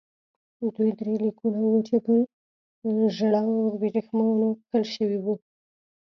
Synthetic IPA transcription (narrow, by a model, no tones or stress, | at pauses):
d̪ujd̪ɾelikunawut͡ʃepə | ʒɽabiɾixmɑnokəlʃəwiwu